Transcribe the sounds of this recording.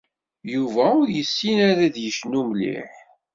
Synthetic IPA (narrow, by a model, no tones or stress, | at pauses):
juvæʊɾjəsːinæɾæðjəʃnumlḭħ